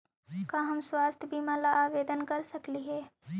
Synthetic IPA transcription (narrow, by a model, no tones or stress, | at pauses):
kaɦɐmswaːst̪ʰjbʱimaːlaaːʋeːd̪ənkɐɾsɐkliɦɛː